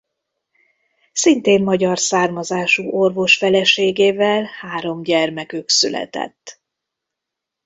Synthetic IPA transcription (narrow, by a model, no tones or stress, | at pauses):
sint̪eːmmɒɟɒrsaːrmɒzaːʃuːʔo̞rvo̞ʃfɛlɛʃeːɡeːvɛlhaːɾo̞mɟɛrmɛkøksylɛ̰t̪ɛ̰t̪ː